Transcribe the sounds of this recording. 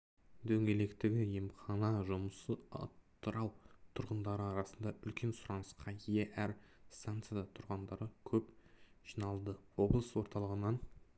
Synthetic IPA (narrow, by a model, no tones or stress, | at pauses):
d̪ɵŋɡʲe̞le̞kt̪ɪɡʲɪjemχɑnɑʒʊməsəɑ̰t̪ːəɾɑwt̪ʰʊɾʁənd̪ɑɾəɑɾɑsənd̪ɑʔʏlkʲe̞nsʊɾɑnəsqɑie̞ʔæɾst̪ant̪sɨjad̪ɑt̪ʰʊɾʁɑnd̪ɑɾəkʲʰɵpʒ̥inɑlˠd̪əwo̞blˠəswo̞ɾt̪ɑlˠəʁənɑn